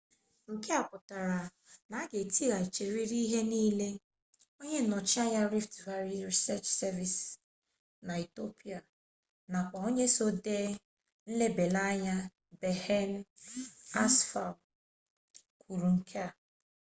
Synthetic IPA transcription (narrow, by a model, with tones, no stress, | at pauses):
ŋ̩˨ke˦a˨pʊ˨ta˨ɾa˨ | na˨˦ɡe˨ti˦ɣa˨i˨t͡ʃe˨ɾi˦ɾi˦ɦe˦niː˦le˦ | o˦ɲe˦nɔ˨t͡ʃi˦a˦ɲa˦ɾi˦ftva˦ɾi˦ɾi˨sɛ˦t͡ʃsɛ˦vi˨s | na˨i˨to˦pi˦a˨ | na˨kʷa˨o˦ɲe˦so˦de˦ | n̩˦le˦be˨la˦ɲa˦ | be˨he˦n̩˦ | a˦sfa˨l | kʰu˨ɾu˨ŋ̩˨kʰe˦a˨